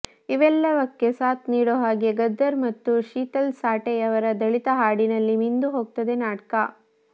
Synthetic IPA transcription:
iʋɛlːɐʋɐkːe̞saːt̪niːɽoɦaːɡeɡɐd̪ːɐɾmɐt̪ːuʃiːt̪ɐlsaːʈejɐʋɐɾɐd̪ɐɭit̪ɐɦaːɽinɐlːimind̪uɦoːɡ̚t̪ɐd̪enaːʈkɐ

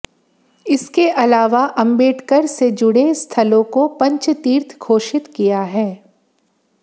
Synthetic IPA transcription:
ɪskeʔɐlaːʋaʔɐ̃mbeːʈkəɾsed͡ʒʊɽest̪ʰɐlõkopɐ̃ɲt͡ʃt̪iːɾt̪ʰkʰoːʃɪt̪kijaɦɛː

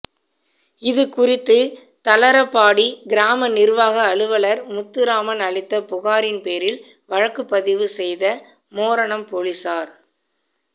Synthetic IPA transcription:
ɪðɯkʊrɪt̪ːɯ | t̪ɐlɐɾɐpːaːɽiɡɪɾaːmɐnɪɾʋaːɣɐːɭɯʋɐɭɐɾmʊt̪ːɯɾaːmɐnɐɭɪt̪ːɐpʊɣaːɾɪnpeːɾɪl | ʋɐɻɐkːɯpːɐðɪʋɯsɛjðɐ | moːɾɐɳɐmpoɻɪsaːɾ

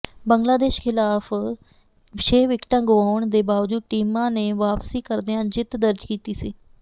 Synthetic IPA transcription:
bəŋɡlaːd̪eːʃkʰɪlaːpʰ | ʃeːʋɪkʈãːɡʊʋaːɳd̪eːbaːʋd͡ʒuːʈiːmãːneːʋaːpsiːkəɾd̪eãːd͡ʒɪt̪d̪əɾd͡ʒkiːt̪iːsiː

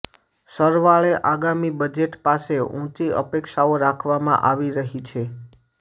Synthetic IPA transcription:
səɾʋaɭeʔaɡamibəd͡ʒeʈpaseũt͡ʃiə̰pekʃaoɾakʰʋamã̰ʔaʋiɾəɦit͡ʃʰe

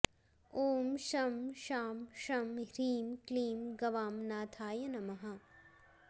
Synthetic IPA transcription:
oːmʃɐmʃaːmʃɐmɾiːmkliːmɡɐʋaːmnaːt̪ʰaːjɐnɐmɐɦɐ

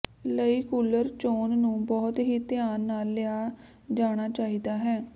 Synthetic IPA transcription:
ləiːkuːləɾt͡ʃoːnːũːbɔːt̪ɦiːt̪ɪaːnːaːlːɪaː | d͡ʒaːɽ̃aːt͡ʃaːiːd̪aːɦɛː

